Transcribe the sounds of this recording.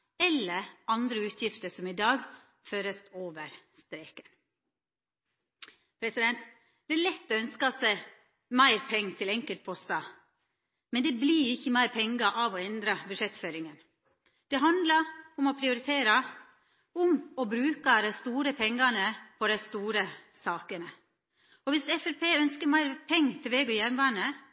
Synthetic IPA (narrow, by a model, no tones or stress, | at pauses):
ɛlːəɾɑnd̪ɾəʉːt̪ʰjɪft̪əʂɔmɪd̪ɑːɡ | føːɾəsoːʋəɾst̪ɾeːkə̥ | pʰɾɛsɪd̪ɛnt̪ | d̪̥ɛæɭɛt̪ːɔœnskɑsæɪ | mæɪɾpʰɛŋːt̪ʰɪlɛŋkəlt̪̚pʰɔst̪ɑ | mɛnd̪ɛbliːɾɪçːəmæɪɾpʰɛŋɡɑʔɑʋɔɛnd̪ɾɑbʉʂɛt̪føːɾɪŋən | d̪̥ɛɦɑnd̪lɑʊmɔpʰɾɪʊɾɪt̪ʰeːɾɑ | ʊmɔbɾʉːkɑd̪æɪst̪uːɾəpʰɛŋɡɑnəpʰɔd̪æɪst̪uːɾəsɑːkənə | ɔʋɪsɛfɛɾpeːœnskəmæɪɾpʰɛŋːt̪ʰɛʋeːɡʉjænʋɑːnə